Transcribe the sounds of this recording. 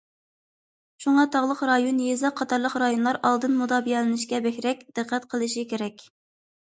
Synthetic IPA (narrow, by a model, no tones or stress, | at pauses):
ʃuŋɑt̪ʰɑʁlˠəqɾɑjonjezɑqʰːɑt̪ʰɑɾlˠəqɾɑjonlˠɑɾɑlˠd̪ɨnmud̪ɑːbijɛlɪnɪʃkʲɛbɛkʲɾɛkʲd̪̥ɨqʰːɛt̪qʰəlˠɨʃikʲʰeɾɛkʲ